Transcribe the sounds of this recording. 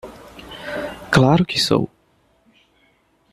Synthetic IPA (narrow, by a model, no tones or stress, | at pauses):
klaɾʊkɪso̰w